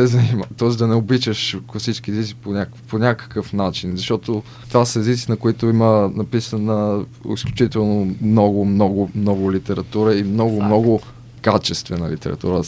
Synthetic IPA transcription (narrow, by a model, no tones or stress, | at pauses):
ɛzɐnimt̪ɔɛzd̪ɐnɛobit͡ʃəʃsit͡ʃkiɛzit̪si̥ponʲakponʲakə̥kəfnat͡ʃinzɐʃt̪ɔt̪o | t̪vasəɛzit̪sinɐkʊit̪oimənɐpisənəḭsklʲʊt͡ʃit̪ɛlˠnomnɔɡʊmnɔɡʊmnɔɡʊlit̪ɛɾɐt̪uɾəimnɔɡʊmnɔɡʊ | kat͡ʃɛst̪vɛnɐ̰lḭt̪ɛ̰ɾɐ̰t̪ṵɾə